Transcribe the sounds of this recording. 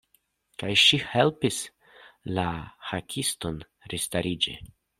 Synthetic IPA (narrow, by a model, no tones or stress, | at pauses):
kajʃihe̞lpis | lahakʲʰisto̞n | ɾistaɾid͡ʒḛ